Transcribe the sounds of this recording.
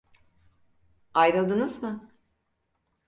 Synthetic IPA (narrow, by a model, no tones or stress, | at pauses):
ajɾɯlˠd̪ɯnɯzmɯ